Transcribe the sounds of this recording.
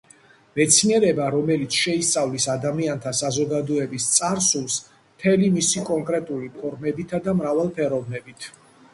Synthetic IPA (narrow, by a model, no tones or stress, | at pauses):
mɛt̪sʰniɛɾɛbaɾɔmɛlit̪sʰʃɛist̪sʼavlisad̪amiant̪ʰasazɔɡad̪ɔɛbist̪sʼaɾsulˠs | mt̪ʰɛlimisikʼɔŋkʼɾɛt̪ʼulipʰɔɾmɛbit̪ʰad̪amɾavalˠpʰɛɾɔvnɛbit̪ʰ